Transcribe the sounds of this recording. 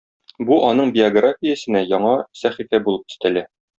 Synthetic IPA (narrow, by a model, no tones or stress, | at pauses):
buʔɒnɤɴbʲɪoɡrafʲijæsɘ̆næjɒɴɑsæχifæbulˠɤpɵ̥̆st̪ælæ